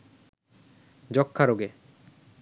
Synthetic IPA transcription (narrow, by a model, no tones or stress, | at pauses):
d͡ʑɔkʰːaɾoɡe